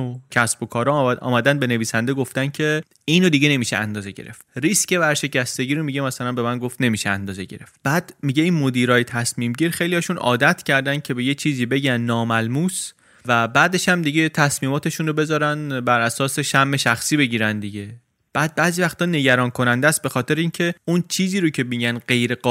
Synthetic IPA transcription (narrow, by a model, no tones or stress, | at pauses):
cʰæsbo̞kʰɒːɾɒʔɒ̰ːmæd̪ænd̪be̞ne̞viːsænd̪e̞ɡo̞ft̪æncʰe̞ | iːnod̪iɟe̞ne̞miːʃeænd̪ɒːze̞ɟe̞̰ɾe̞ft̪ɾiːsce̞βæɾʃe̞cʰæst̪e̞ɡiːɾomiɟemæsælænbe̞mænɡo̞ft̪ne̞miːʃeænd̪ɒːze̞ɟe̞̰ɾe̞ft̪b̥æːd̪̥miɟeiːnmo̞d̪iːɾɒːjet̪ʰæsmiːmɟiːɾxe̞jlijɒːʃunʔɒ̰ːd̪æt̪ʰcʰæɾd̪æncʰe̞be̞jet͡ʃʰiːziːbe̞ɟænːɒːmælmuːs | væbæːd̪e̞ʃhæmd̪iɟe̞t̪ʰæsmiːmɒːt̪ʰe̞ʃunɾobe̞zɒːɾænbæɾʔæsɒːse̞ʃæmːe̞ʃæxsiːbe̞ɟiːɾænd̪iɟe̞ | b̥æːd̪̚bæːziːvæxt̪ʰɒːne̞ɟæɾɒːnkʰo̞nænd̪æːst̪̚be̞xɒːt̪ʰe̞ɾeiːncʰe̞unt͡ʃʰiːziːɾocʰe̞miɟænɢe̞jɾe̞ɢɒː